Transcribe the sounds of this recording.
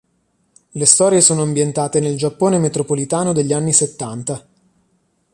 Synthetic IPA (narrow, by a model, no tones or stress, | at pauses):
lest̪ɔːɾjesoːnoambjent̪aːt̪eneld͡ʒapːoːnemet̪ɾopolit̪aːnod̪eʎːianːiset̪ːant̪a